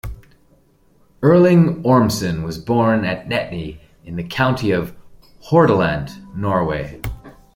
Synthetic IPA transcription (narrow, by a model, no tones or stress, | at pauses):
ɜ˞lˠɪ̃ŋɔɹmsɨ̃nwʌzbɔɹnɨtⁿnɛʔⁿni | ɨ̃nðɨkʰãʊ̃ntʰiʌv̥ | hɔɹɾəlæ̃nnɔɹweɪ